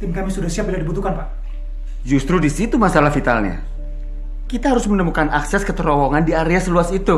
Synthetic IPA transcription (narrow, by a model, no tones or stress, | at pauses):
t̪ɪmkamisudasiap̚biladibut̪ukanpa | d͡ʒust̪ɾudisit̪umasalahfit̪a̰lɲa̰ | kit̪aɦaɾʊsmənəmukanaksɛskət̪əɾɔwɔŋandiaɾeasluasit̪u